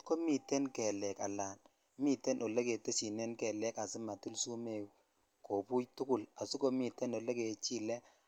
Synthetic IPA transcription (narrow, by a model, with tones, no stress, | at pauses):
ko˦mi˨tɛ˦nkɛ˨lɛ˨ka˨laː˨n | mi˦tɛ˦nʔo˨lɛ˦ke˨te˦si˨nɛ˦nkɛ˨lɛ˦ka˨sɪ˦ma˨tu˦lsu˦me˨w | kʰo˨pu˦jtʊ˦kʊ˨la˨su˦ko˦mi˨tːɛ˦nɔ˨lɛ˦ke˨t͡ʃi˦lɛ˦